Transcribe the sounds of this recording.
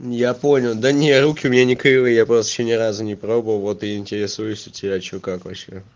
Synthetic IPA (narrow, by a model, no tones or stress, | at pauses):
japo̞nʲɪlˠd̪ənʲerukʲɪʊmʲɪnʲanʲɪkɾɨvɨjapɾost̪əɪ̥ɕːonʲɪɾazʊnʲɪpɾo̞bəvəlˠvo̞t̪ɨjɪnʲtʲɪɾʲɪsujʊsʲʊtʲɪbʲaɪt͡ɕokakvɐɕːe